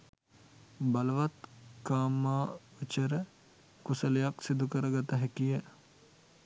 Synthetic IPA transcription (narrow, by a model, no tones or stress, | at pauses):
bɐlʋɐt̪kaːmaːut͡ʃɐɾ | kusɐljaksid̪ʱukɐɾɐɡɐt̪ɐɦekie